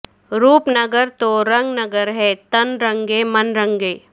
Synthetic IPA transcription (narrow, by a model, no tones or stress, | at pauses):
ɾuːpnɐɡəɾt̪oɾɐ̃ŋɡnɐɡəɾɦɛːt̪ɐnɾɐ̃ŋɡemɐnɾə̃ŋɡeː